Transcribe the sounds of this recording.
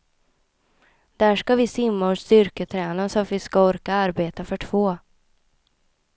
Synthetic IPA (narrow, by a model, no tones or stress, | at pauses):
d̪̥æʂkavɪsɪmːaɔʂt̪ʏɾkət̪ʰɾɛːnasɔat̪vɪskaɔɾkaaɾbeːt̪afœʈʰv̥oː